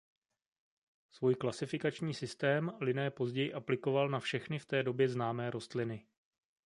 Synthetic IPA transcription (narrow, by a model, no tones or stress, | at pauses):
svuːjklasɪfɪkat͡ʃɲiːsɪst̪ɛːmlɪnɛːpo̞zɟɛjɪʔaplɪko̞valnafʃɛxnɪft̪ɛːdo̞bjɛznaːmɛːɾo̞st̪lɪnɪ